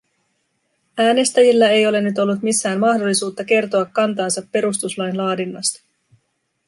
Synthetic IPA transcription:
æːne̞st̪æjilːæe̞jo̞le̞nyt̪o̞lːut̪misːæːmmɑhdo̞lːisuːt̪ːɑk̟e̞rt̪o̞ɑkːɑnt̪ɑːnsɑpːe̞ɾust̪uslɑjnlɑːdinːɑ̰st̪ɑ̥

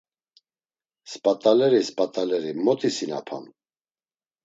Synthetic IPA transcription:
spʼat̪ʼalɛɾispʼat̪ʼalɛɾimɔt̪ʰʼisina̰pʰa̰n

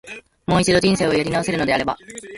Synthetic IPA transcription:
mo̞ːit͡ɕid̪o̞ʑĩɰ̃se̞ːojaɾʲinaose̞ɾɯ̟no̞d̪e̞aɾe̞ba̰

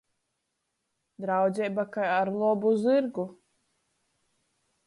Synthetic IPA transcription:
d̪ɾawd̪zʲɛjbakajaɾlˠɔbuzɨɾɡu

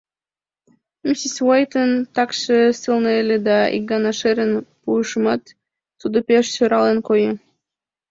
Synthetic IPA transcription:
misiswajt̪ənt̪ɑkʃəsɨlnɤelʲed̪ɑḭk̚ɡɑnɑʃeɾənpuəʃmɑt̪ː | ud̪opʲeʃsøɾɑlə̆nkojə

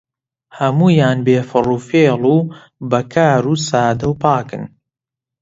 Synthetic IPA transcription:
hɐmuːjaːnbeːfɨruːfeːluː | bɐkʰaːɾuːsaːd̪ɐwpaːkɨn

